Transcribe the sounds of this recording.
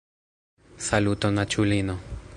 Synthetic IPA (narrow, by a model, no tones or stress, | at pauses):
salut̪onat͡ʃulino